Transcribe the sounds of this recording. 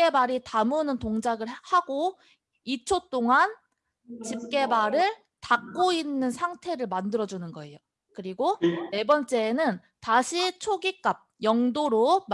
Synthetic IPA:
ebaɾitamunɯntoŋd͡ʑaɡɯɭhaɡo | it͡ɕʰot͈oŋan | t͡ɕip̚k͈e̞baɾɯɭ | tak̚k͈oinːɯnsʰaŋtʰe̞ɾɯɭmandɯɾʌd͡ʑunɯnɡʌejo | kɯɾiɡone̞bʌnt͡ɕ͈e̞ːnɯn | taɕʰit͡ɕʰoɡik͈ab̚jʌŋdoɾom

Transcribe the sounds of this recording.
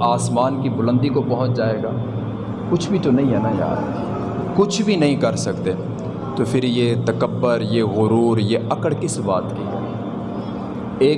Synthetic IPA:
aːsmaːnkibʊlə̃nd̪ikopɐɦʊ̃t̪d͡ʒaːeːɡaː | kʊt͡ʃʰbʱit̪onɐɦĩɦɛːnaja̰ːɾ | kʊt͡ʃʰbʱinɐɦĩkɐɾsɐkt̪eː | t̪oːpʰɪɾjet̪ɐkəbːʊɾjeɣʊɾuːɾjeɐkəɽkɪsbaːt̪kiɦɛ̰ː | eː

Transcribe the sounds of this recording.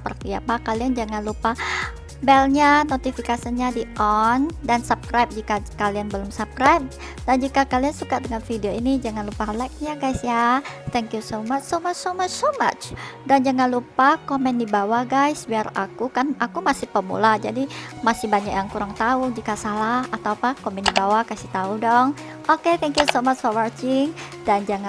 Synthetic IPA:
pərkia̰pakaliand͡ʒaŋanlupa | bɛlɲanot̪ifikasaɲadiʔɔndansap̚kɾajp̚d͡ʒikakalianbəlʊmsap̚kɾajp̚ | dand͡ʒikakaliansukadəŋanfidioinid͡ʒaŋanlupalɛk̚ɲaɡajsjat̪ʰɛŋkjusomat͡ʃsomat͡ʃsomat͡ʃsoma̰t͡ʃdand͡ʒaŋanlupakomɛndibawaɡajsbiaɾa̰kukanakumasɪhpəmṵlad͡ʒa̰dimasɪhbaɲaʔkjaŋkuɾaŋt̪aud͡ʒikasalahat̪awpakomɛndibawakasit̪audɔŋ | oket̪ɛŋkjusomat͡ʃfɔwat͡ʃɪŋ | dand͡ʒaŋ

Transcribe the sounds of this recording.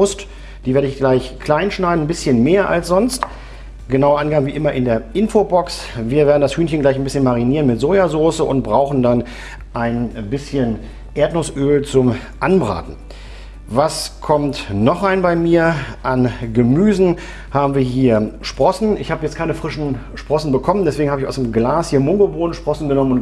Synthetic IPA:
ʊst | d̥iːveːɐɾəɪçɡ̥laɪçkʰl̥aɪnʃnaɪdn̩bɪsçənmeːɐʔa̰lsz̥ɔnst | ɡ̥ənaʊɐʔanɡaːŋviːʔɪmɐʔɪndeːɐʔɪnfobɔks | viːɐveːɐdn̩dashyːnçənɡlaɪçanbɪsçənmaʁiniːʁənmɪtz̥oːjazoːsəʊnt̚b̥ʁaʊxn̩dan | ʔaɪnbɪsçən | ʔeːɐtnʊsʔøːlt͡sʊm | ʔanbʁa̰ːtn̩ | vaskʰɔmtnɔχʁaɪnbaɪmiːɐʔanɡəmyːzn̩ | haːbm̩viːɐɦiːɐʃpʁ̥ɔsn̩ɪçhaːbəjɛt͡stkʰaɪnəfʁ̥ɪʃn̩ | ʃpʁ̥ɔsn̩bəkʰɔməndɛsv̥eːɡŋ̩haːbɪça̰ʊsdemɡlaːshiːɐmʊŋɡoboːdn̩ʃpʁ̥ɔsn̩ɡənɔmənʊn

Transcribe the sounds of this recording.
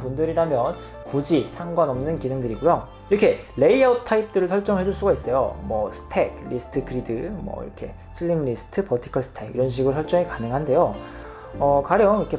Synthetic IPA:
pundɯɾiɾamjʌn | kud͡ʑisʰaŋɡwanʌmnɯnkinɯŋdɯɾiɡujo | iɾʌkʰe̞ | le̞iautʰaip̚t͈ɯɾɯɭsʰʌɭt͡ɕ͈ʌŋwe̞d͡ʑuɭs͈uɡais͈ʌjo̰mʌ̰sʰɯ̥tʰe̞klisʰɯ̥tʰɯkɯɾidɯmʌ̰ḭɾʌkʰe̞̰ | sʰɯɭːimlisʰɯ̥tʰɯpʌtʰi̥kʰʌɭsʰɯ̥tʰeɡiɾʌnɕ̬ʰiɡɯɾosʰʌɭt͡ɕ͈ʌŋikanɯŋɦande̞jo | ʌkaɾjʌŋiɾʌkʰe

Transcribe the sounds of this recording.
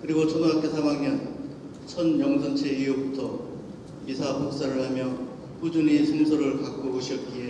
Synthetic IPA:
kɯɾiɡot͡ɕʰonak̚t͈esʰamaŋɲʌn | t͡ɕʰʌnjʌŋsʰʌnt͡ɕʰe̞ijop̚p͈utʰʌ | misʰapok̚s͈aɾɯɭhamjʌ | pud͡ʑunisʰɯŋsʰʌɾɯɭkak͈oboɕʰiʌt̚k͈ie

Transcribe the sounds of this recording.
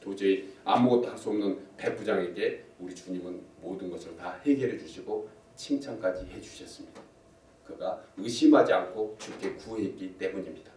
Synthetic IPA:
tod͡ʑeiamuɡot͈as͈ʰuʌmnɯnpe̞p͈ud͡ʑaŋe̞ɡe̞uɾit͡ɕuɲimɯnmodɯnɡʌsʰɯɾotahe̞ɡe̞ɾɯɭt͡ɕuɕʰiɡo | t͡ɕʰiŋt͡ɕʰaŋk͈ad͡ʑihe̞d͡ʑu̥ɕʰʌs͈ɯmɲid̥a | kɯɡaɯɕʰimɦad͡ʑiankʰot͡ɕɯk͈ʰe̞kueik͈it͈e̞muɲimɲid̥ḁ

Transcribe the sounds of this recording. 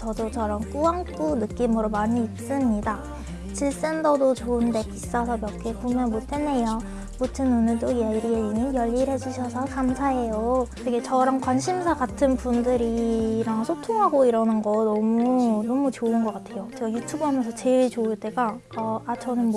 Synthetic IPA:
t͡ɕʌdot͡ɕʌɾʌmk͈uaŋk͈unɯk͈imɯɾomaɲiːs͈ɯmɲida | t͡ɕiɭs͈endʌdot͡ɕoɯnde̞pʰis͈asʰʌbjʌkʰe̞pumjʌnmotʰe̞nːe̞jo | motʰɯnunɯɭtojeɾieiijʌʎːiɾɦe̞d͡ʑuɕʰʌsʰʌkamsʰaɦe̞jotʰeɡe̞t͡ɕʌɾaŋkwanɕʰimsʰakatʰɯnpundɯɾiɾaŋsʰotʰoŋɦaɡoiɾʌnɯnɡʌnʌmunʌmut͡ɕoɯnɡʌk͈atʰe̞jot͡ɕe̞ɡajutʰubɯɦamjʌnsʰʌt͡ɕe̞ɭt͡ɕouɭt͈e̞ɡa | ʌat͡ɕʌnɯn

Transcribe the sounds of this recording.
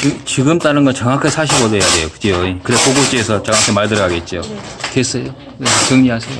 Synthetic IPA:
ɯt͡ɕiɡɯmt͈anɯnɡʌt͡ɕaŋwakʰesʰaɕʰiɡodejade̞jokɯ̥d͡ʑijoikɯɾe̞koɡot͡ɕ͈iesʰʌt͡ɕaŋwakʰemaɭdɯɾʌɡaɡe̞t̚t͡ɕ͈io | kes͈ʌjo | kɯekɯŋɲiɦasʰejo

